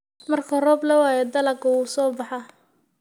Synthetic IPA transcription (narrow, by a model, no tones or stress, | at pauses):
mɐrkʰɐrɔːblɐwaːjɛd̪ɐlɐkʊwuːsɔːbɑħɑ